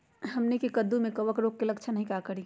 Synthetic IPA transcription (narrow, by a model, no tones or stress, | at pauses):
ɦɐmnekekəd̪umẽkəʋəkɾoːk̚kelɐkt͡ʃʰənəɦĩkakəɾĩ